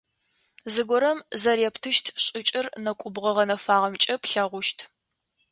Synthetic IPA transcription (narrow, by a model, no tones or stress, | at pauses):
zɨɡʷɔɾɐmzɐrɛptʰɨʃtʰɕʼɪt͡ʃʼɪrnɐkʷʼʊbʁɐʁɐnɐfaːʁɐmt͡ʃʼɐpɬɐʁʷʊʃtʰ